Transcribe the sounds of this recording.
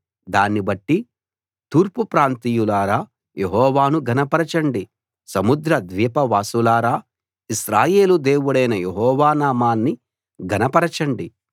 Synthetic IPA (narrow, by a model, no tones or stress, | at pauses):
d̪aːnːibɐʈːi | t̪uːɾpupɾaːnt̪iːjulaːɾaː | jeɦɔːʋaːnuɡʱɐnɐpɐɾɐt͡ʃɐɳɖi | sɐmud̪ɾɐd̪ʋiːpɐʋaːsulaːɾaː | isɾaːjeːlud̪e̞ːwuɽɐjnɐjeɦɔːʋaːnaːmaːnːi | ɡɐnɐpɐɾɐt͡ʃɐɳɖi